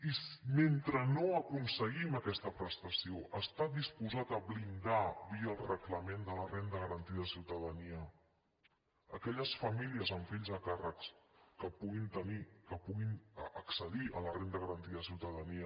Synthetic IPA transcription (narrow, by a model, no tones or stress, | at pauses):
isment̪ɾənoəkunsəɣiməkɛst̪əpɾəst̪əsioʔəst̪adispuzat̪əβlind̪aβiəːlˠrəkləmend̪ələrend̪əɣəɾənt̪iəðəsiwt̪əðəniə | əkɛʎəsfəmiliəzəɱfiʎzðəkarəkskəpuɣint̪ənikəpuɣinəksəðiʔə̰lərend̪əɣəɾənt̪iəðəsiwt̪əðəniə